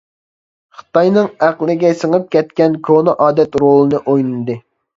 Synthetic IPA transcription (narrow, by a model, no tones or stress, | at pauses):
χə̥t̪ɑjnɨŋæqlˠɪɡʲɛsəŋɨp̚kʲɛt̪̚kʲɛnkʰonɨʔɑːd̪ɛt̪ɾolˠɨnɨʔojnɨnd̪ɨ